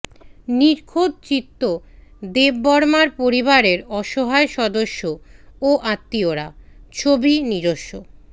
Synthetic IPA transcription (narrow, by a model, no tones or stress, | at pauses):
niɾkʰod̪̚t͡ɕit̪ːod̪ebːɔɾmaɾpoɾiβaɾeɾɔʃoɦaeʃɔd̪oʃːooʔat̪ːioɾat͡ɕʰobiniɾoʃːo